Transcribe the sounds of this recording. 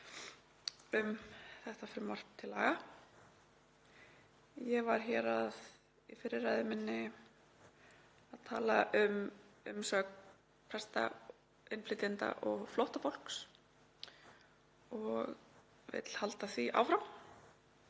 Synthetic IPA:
ʏmθɛht̪afɾɪmːar̥t̪ʰːɪlːaːɣa | jɛɣvaɾ̥çɛɾað | ifɪɾːɪrajðɪmɪnːɪ | aðt̪ʰa̰ːlaʔʏmʏmsœːk | pʰɾɛst̪a̰ | ɪnflɪt̪ɪnt̪a̰ʔɔɣflɔwht̪afowl̥ks | ɔɣ | vɪ̰t̪l̥halt̪aθviʔa̰ːwfɾaw

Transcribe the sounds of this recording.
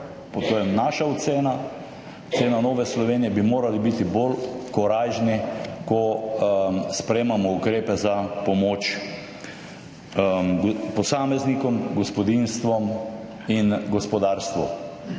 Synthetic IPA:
pot̪oːjɛnaːʃaɔt̪seːna | ʊseːnanoːʋɛslɔʋeːnijɛbimoːɾalibit̪ibolkɔɾaːʒnikɔ | spɾemamɔukɾeːpɛzapɔmoːt͡ʃ | pɔsaːmɛznikɔmɡɔspɔd̪inst̪ʋɔm | inɡɔspɔd̪aːɾst̪ʋɔ̰

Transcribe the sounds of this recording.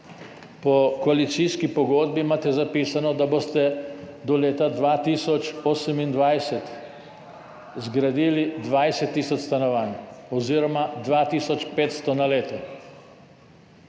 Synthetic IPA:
pɔkɔalit̪siːskipɔɡoːd̪̚bimaːt̪ɛzapiːsanɔd̪aboːst̪ɛd̪ɔleːt̪ad̪ʋaːt̪iːsɔt͡ʃoːsɛmind̪ʋajsɛt̪ | zɡɾad̪iːlid̪ʋajsɛt̪ːiːsɔt͡ʃst̪anɔʋaːnɔziːɾɔmad̪ʋaːt̪iːsɔt͡ʃpeːt̪st̪ɔnaleːt̪ɛ

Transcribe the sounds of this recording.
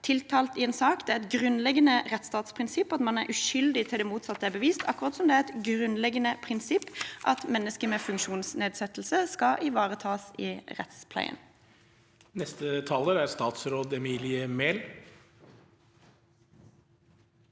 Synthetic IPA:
t̪ʰɪlt̪ʰɑːlt̪ɪɛːnsɑːkd̪ɛæɾɛt̪ɡʁʉnlɛɡənəʁɛt̪st̪ɑːt̪spʰʁɪnsɪpːɑt̪mɑnæɾʔʉʃʏld̪ɪt̪ʰɪld̪ɛːmuːt̪sɑt̪ːəæbəʋiːst̪ʰɑkːʊʁɑːt̪sɔmd̪ɛæɾɛt̪ɡʁʉnlɛɡənəpʰʁɪnsɪpːʔɑt̪mɛnːəskəmeːfʉŋkʃuːnsneːd̪sɛt̪l̩səskɑʔɪʋɑːʁət̪ʰɑːsɪʁɛ̰t̪spʰlæ̰ɪə̰n | nɛst̪ət̪ʰɑːləɾæɾst̪ɑːt̪sɾoːd̪ɛmiːlɪəmeːl

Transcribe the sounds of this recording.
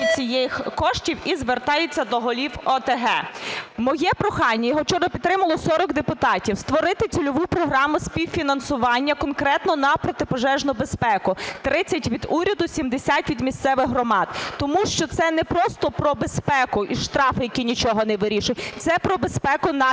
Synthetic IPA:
it͡sʲijɛjxkɔʃtʲiwizʋert̪ɑjet͡sʲːɐd̪ɔɦɔlʲiwɔt̪eɦɛmɔjɛpɾɔxɑnʲːɐjɔɦɔt͡ʃɔrnɔpʲit̪t̪ɾɪmɐlˠɔsɔɾɔkd̪epʊt̪ɑtʲiwst̪ʋɔɾɪt̪ɪt͡sʲʊlʲʊʋupɾɔɦɾɑmʊsʲpʲiwfʲinɐnsʊʋɑnʲːɐkɔnkɾɛt̪nɔnɐpɾɔt̪ɪpɔʒɛʒnʊbespɛkʊt̪ɾɪt͡sʲːɐtʲʋʲid̪uɾʲɐd̪ʊsʲimd̪esʲat̪ʲʋʲid̪mʲist̪sɛʋɪxɦrɔmɑd̪t̪ːɔmuʃt͡ʃɔt̪sɛnɛpɾɔst̪ɔpɾɔbespɛkʊʔiʃt̪ɾɑfɪjɐkʲinʲit͡ʃɔɦɔnɛʋɪɾʲiʃʊjt̪sɛpɾɔbespɛkʊnɐ

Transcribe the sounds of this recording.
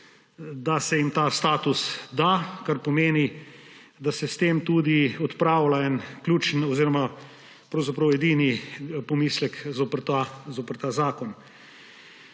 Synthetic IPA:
d̪asɛjimt̪ast̪aːt̪usd̪akaɾpɔmeːni | d̪asɛst̪eːmt̪ud̪iɔt̪pɾaːwlaɛnklʲuːt͡ʃnɔziːɾɔma | pɾɐwzapɾɐwɛd̪iːnipɔmiːslɛkzopəɾt̪azoːpəɾt̪aːzaːkɔn

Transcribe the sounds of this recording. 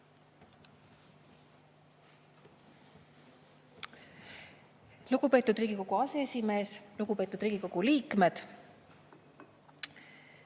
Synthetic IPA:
luɡ̥upe̞ːt̪ud̪riːɡiko̞ɡ̥uɑseesime̞ːsluɡ̥upe̞ːt̪ːˑud̪̥riːɡ̥iko̞ɡ̥uliːkme̞d̪̥

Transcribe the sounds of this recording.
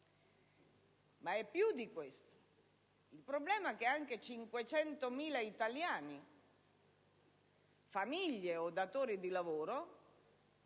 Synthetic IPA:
maɛpːjud̪ikwest̪o̥ | ilpɾoblɛːmak̟eaŋket͡ʃiŋkwet͡ʃɛnt̪omiːlait̪aljaːni | famiʎːeod̪at̪oːɾid̪ilavoːɾo

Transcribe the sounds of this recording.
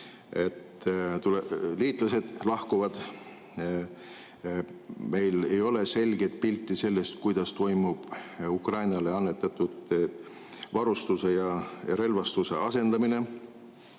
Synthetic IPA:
e̞t̪t̪uleliːt̪ˑlɑse̞d̪̥lɑhkuvɑd̪̥ | me̞jle̞jo̞le̞se̞lʲɡ̥e̞jt̪̚pilʲt̪ˑːise̞lːe̞st̪kujd̪̥ɑst̪o̞jmub̥ukrɑjnɑleɑnːet̪ːˑɑt̪ːˑud̪e | vɑɾust̪use̞jɑjɑ̰ɾe̞lvɑst̪use̞̰ʔɑse̞nd̪̥ɑmine̞

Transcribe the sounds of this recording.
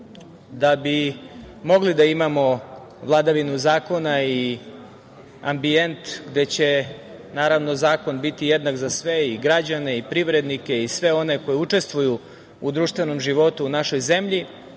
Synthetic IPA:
d̪abi | mo̞ɡlid̪aimamo̞ | ʋlˠad̪aʋinuzaːko̞nai | a̰mbie̞nt̪ɡd̪e̞t͡ɕe̞ | naːɾaʋno̞zaːko̞nbit̪ijed̪nakzasʋe̞iɡɾad͡ʑane̞ipɾiʋɾe̞d̪nike̞isʋe̞o̞ne̞ko̞jeut͡ʂe̞st̪ʋuju | ud̪ɾuːʃt̪ʋe̞no̞mʒiʋo̞t̪uːnaʃo̞jze̞mʎi

